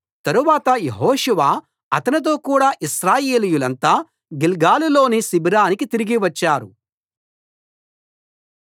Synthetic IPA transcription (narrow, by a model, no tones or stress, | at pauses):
t̪ɐɾuʋaːt̪ɐjeɦoːʃuʋaː | ɐt̪ɐnit̪̬o̞ːkuːɽaːʔiʃɾaːjeːlijulɐnt̪aː | ɡilɡaːlilo̞ːnisibiɾaːnikit̪iɾiɡiʋɐt͡ʃːaːɾṵ